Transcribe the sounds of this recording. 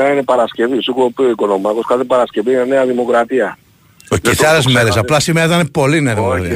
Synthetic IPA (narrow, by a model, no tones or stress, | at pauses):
einepɐɾɐsce̞visukopioiko̞nomɐkoskɐθepɐɾɐsce̞vinene̞ɐðimo̞kɾɐt̪iɐ | ocːsɐlezmeɾesɐplɐsimeɐiðɐnepo̞lineɐðimokɾɐɐt̪i